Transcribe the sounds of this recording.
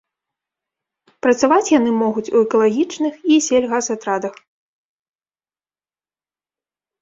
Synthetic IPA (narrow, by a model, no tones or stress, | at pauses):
pɾɐt̪savat͡sʲjanɨmɔɣut͡sʲuɛkɐlˠaɣʲit͡ʂnɨxisʲelʲɣazat̪ɾad̪ɐx